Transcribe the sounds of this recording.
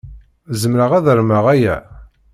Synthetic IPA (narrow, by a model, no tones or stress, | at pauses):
zəmɾəʁæðəɾməʁæjæ